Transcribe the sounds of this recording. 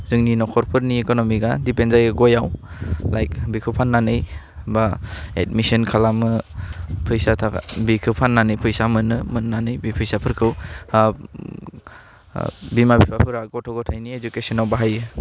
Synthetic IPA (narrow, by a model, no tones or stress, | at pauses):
zɯŋninɔkʰɔɾpʰɯɾniekɔnɔmiɡadipenzajɯɡɔjawlajkbikʰɯwpʰanːanɯj | baed̚misɔnkʰalamɯ | pʰɯjsatʰabikʰɯpʰanːanɯjpʰɯjsamɯnɯmɯnːanɯjbipʰɯjsapʰɯɾkʰɯw | bimabipʰapʰɯɾaɡɔtʰɔɡɔtʰajnied͡ʒukesɔnawbaɦajɯ